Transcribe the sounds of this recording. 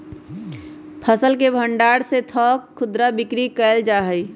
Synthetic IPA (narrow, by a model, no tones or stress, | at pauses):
pʰəsəlkebʱə̃ɳɖaːɽset̪ʰɔːkʰːʊd̪ɾabɪkɾikəːld͡ʒaːɦəi